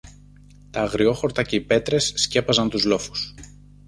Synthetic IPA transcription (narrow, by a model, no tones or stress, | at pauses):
t̪ɐːɣɾio̞xo̞ɾt̪ɐce̞ipe̞t̪ɾe̞sːce̞pɐzɐnt̪uzlo̞fu̥s